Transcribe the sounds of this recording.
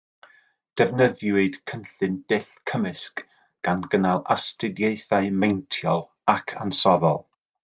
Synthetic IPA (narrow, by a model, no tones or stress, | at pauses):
d̥ɛvnəðjwɨd̥kʰənɬɨndɪɬkʰəmɪsk | ɡ̥anɡənalˠastɪdjejθaɨmejntʰjɔlˠ | akʰa̰nsɔðɔlˠ